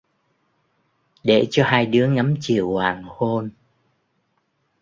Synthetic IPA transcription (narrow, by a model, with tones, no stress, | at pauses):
ɗe˧˩t͡ɕɔ˧haː˧jɗɨ˨˦əŋa˨˦mt͡ɕi˨˩˨əwhwaː˨˩ŋho˧n